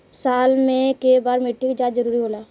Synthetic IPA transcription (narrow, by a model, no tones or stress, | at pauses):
saːlmẽkebaːɾmɪʈʰːikid͡ʒaːzɐɾuːɾiɦoːlaː